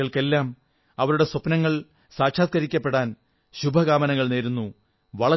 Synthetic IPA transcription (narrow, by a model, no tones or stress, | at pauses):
ɐɭke̞lːaːm | ɐʋɐɾuɽe̞sopnɐŋːɐɭ | saːkɕʰaːt̪̚kɐɾikʲːɐpːe̞ɽaːn | ɕubʱɐɡaːmɐnɐŋːɐɭne̞ːɾunːu | ʋɐɭɐ